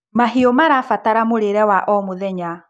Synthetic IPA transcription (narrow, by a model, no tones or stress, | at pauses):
maɦiɔmaɾafataɾamoɾeɾɛwaʔɔmoðɛɲa